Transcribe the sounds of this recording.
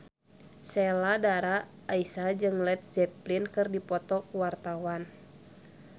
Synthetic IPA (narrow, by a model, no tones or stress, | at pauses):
sɛladaɾaː | isad͡ʒɨŋlɛt̪̚d͡ʒɛplinkɨrdipɔt̪ɔkuwart̪awan